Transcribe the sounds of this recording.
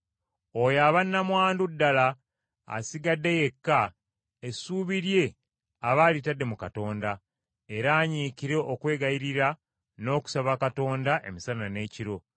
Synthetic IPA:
ojaːβanːamwaːndudːala̰ː | siɡadːe̞je̞kːa | esuːβiɾje̞ | aβaːlitadːe̞mukato̞ːnda | e̞ɾaːɲiːkiɾe̞ʔokwe̞ːɡajiɾiɾa | no̞ːku̥saβakato̞ːndaʔe̞̰misanane̞ːciɾo̞

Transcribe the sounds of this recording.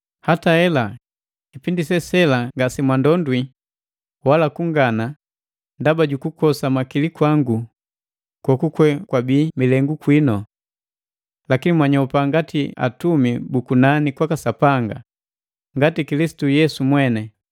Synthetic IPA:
hataɛla | kipindisɛsɛlaŋɡasimwandɔndwi | walakuŋɡana | ndabaɟukukɔsamakilikwaŋɡu | kwɔkukwɛkwabiːmilɛŋɡukwinɔ | lakinimwaɲɔpaŋɡatia̰tumibukunanikwakasapaŋɡa̰ | ŋɡatikilisi̥tujɛsumwɛnɛ

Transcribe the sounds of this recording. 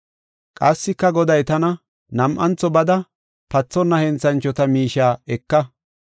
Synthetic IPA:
kʼɐsːɪkːɐɡɔd̪ɐjt̪ɐnɐ | nɐmʔɐnt͡sːɔbɐd̪ɐ | pɐt͡sːɔnːɐhɛnt͡sɐnt͡ʃːɔt̪ɐmiːʃaːɛkːɐ

